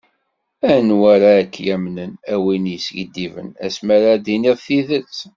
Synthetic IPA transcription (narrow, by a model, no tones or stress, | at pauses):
ænwaɾakːjæmnənæwinjəsʝəd̪ːivə̰næ̰smæɾad̪iniðθiðət͡s